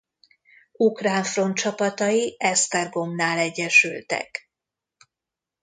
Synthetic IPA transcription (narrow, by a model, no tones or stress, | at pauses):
ukraːɱfro̞nt̪t͡ʃɒpɒt̪ɒjiɛst̪ɛrɡo̞mnaːlɛɟːɛʃylt̪ɛ̰k